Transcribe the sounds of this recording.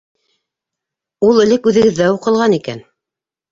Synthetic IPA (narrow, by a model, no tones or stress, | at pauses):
ulˠɘ̆lɘkʉðɘ̆ɡɘ̆ðːæuqɤ̆lˠʁɑnikæ̰n